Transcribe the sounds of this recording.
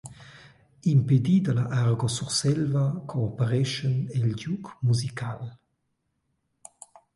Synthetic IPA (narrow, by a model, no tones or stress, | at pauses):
imped̪id̪əlaʔaʁɡosuʁsɛlvakʰoɔpəɾɛʃənɛlɟukmuzikʰal